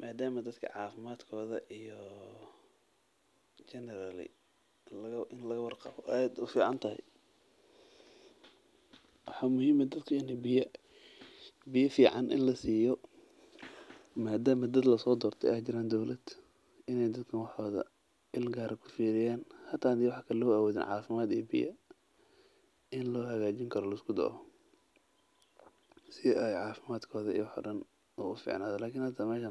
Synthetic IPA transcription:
maːd̪aːmɐd̪ɐd̪kʰɐ̰ʕɑːfɪmaːd̪kʰɔːðɐʔijɔ | t͡ʃɛnɛɾalɪ̰ | lɐɐɪnlɐɣɐwɑrqɑ̰βɔʔjd̪ʊfiːʕɑnt̪ʰɐhɛ̰j | wɑħɑːmʊhiːmɐd̪ɐd̪kʰɐjɐnɪ | bɪjɐfiːʕɑ̰nʔɪ̰nlɐsiːjɔ | maːd̪aːmɐd̪ɐd̪lɐsɔːd̪ɔːrt̪ʰɛ̰jʔaːt͡ʃɪɾaːnd̪ɔwlɐd̪̥ | ʔɪnɛjd̪ɐd̪kʰɐnwɑħɔːðɐ̰ | ɪlɡaːɾɐkʰʊ̥fiːɾɪjaːnhɐt̪ʰaːd̪iwɑħɑːkʰɐllɔʊawɔːðɪ̰nʕɑːfɪmaːd̪ḭːbɪ̰jɐ̰ | ɪnlɔːɦɐɣaːt͡ʃɪŋkʰɐɾɔlɐɪskʰʊd̪ɔ̰ʔɔ | sɪɛjʕɑːfɪmaːd̪kʰɔːðɐḭwħɔ̰ːɖɐn | ɔʊfḭːʕna̰ːðɔlaːkʰɪnhɐt̪ʰaːmɛːʃɐ

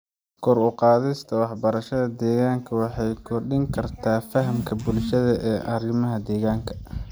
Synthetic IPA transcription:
kʰɔrʊqɑːðɪst̪ʰɐwɑħbɐɾɐʃɐðɐd̪ɛːɣaːŋkʰɐwɑħɑjkʰɔrɗɪŋkʰɐrt̪ʰaːfɐɦɐmkʰɐbʊlʃɐðɐʔɛːʔɐrɪmɐɦɐd̪ɛːɣaːŋkʰɐ̥

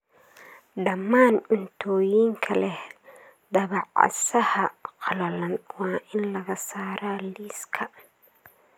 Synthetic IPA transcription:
ɖɐmːaːnʊnt̪ʰɔːjiːŋkʰɐlɛh | d̪ɐβɑʕɑ̰sɐhɐqɑlɐlɐnwɑːʔɪnlɐɣɐsaːɾaːliːskʰɐ

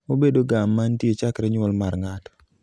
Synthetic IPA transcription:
obedoɡamːantjet͡ʃakɾɛɲwɔlmarŋatɔ̥

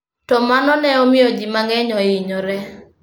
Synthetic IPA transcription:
tɔmanɔnɛɔmɪod͡ʒimaŋɛɲɔɪɲɔɾɛ

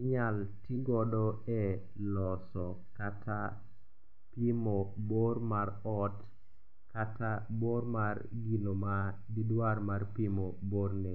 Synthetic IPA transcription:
ɪɲaltiɡɔdɔɛ | lɔsɔ | katʰa | pimoboɾmaɾɔt | kataboɾmarɡiloma | didwarmarpimoboɾnɛ

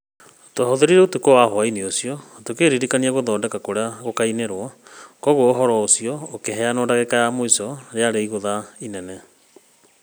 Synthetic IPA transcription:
toaɦɔðeɾiɾɛotokowaɦoainiosiɔtokeɾiɾikaniaɣoðɔːndɛkakoɾeaɣokaineɾwɔkɔɣoːɦɔɾɔosiɔokeɦɛanɔːdaɣekajamoisɔɾeaɾeiɣoðainɛnɛ

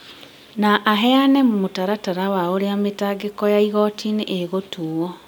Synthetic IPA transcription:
naʔaɦɛanɛmmotaɾataɾawaoɾeametaːɡekɔjaiɣɔtʰiniʔeɣotuɔ

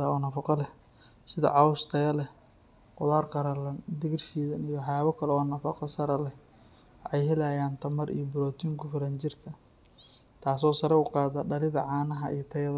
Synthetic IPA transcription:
ɐɔːnɐfɑqɔlɛh | sɪðɐ̰ʕɑwʊst̪ʰɐjɐlɛh | qʊβaːrqɑɾɐlɐnd̪ɪɣɪrfiːðɐnijwɑħjaːβɐkʰɐlɛɔːnɐfɑqɔsɐɾɐlɛh | ʔɛjɦɛlaːjaːnt̪ʰɐmɐɾḭjɔbʊɾɔːt̪ʰiːŋkʰʊfɪɾɐːnt͡ʃɪrkʰɐ | t̪ʰaːs̬ɔːsɐɾɐʊqɑːðɐɖɐlɪðɐʕɑːnɐɦɐʔḭjt̪ʰɐjɐðɐ

